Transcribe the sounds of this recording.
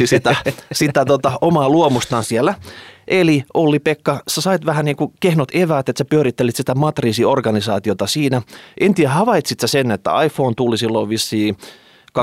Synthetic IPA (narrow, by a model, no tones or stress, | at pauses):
isit̪æsit̪æt̪ot̪ɑomɑːluomust̪ɑnsielːˑæʔeliʔolːipekːɑsesɑit̪ʋæhæniːŋkukehnot̪eʋæːt̪et̪sæpyøɾit̪ːelit̪sit̪æmɑt̪riːsiorɡɑnisɑːt̪iot̪ɑsiːnæʔent̪iæhɑʋɑit̪sit̪sæsenːet̪ːæ̰ɑifːoːnt̪ulisilːoʋʋisːiː | kɑ